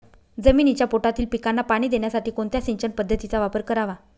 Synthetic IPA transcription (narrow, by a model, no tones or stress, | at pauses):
d͡zəmiːnit͡ɕjapoʈat̪iːlpikanːapaɽ̃iːd̪eɳjasaʈiːkoɳt̪jasiɲt͡ɕəɳpəd̪ʱːət̪it͡saʋapəɾkəɾaʋa